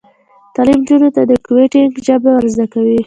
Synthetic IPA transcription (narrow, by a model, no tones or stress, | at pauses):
t̪ɑlimd͡ʒunot̪ad̪əkʊweʈɪŋɡʒabawəɾzd̪akawi